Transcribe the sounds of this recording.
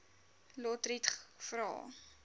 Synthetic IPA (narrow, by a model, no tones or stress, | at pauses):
lɔtritχfrɑ̰ː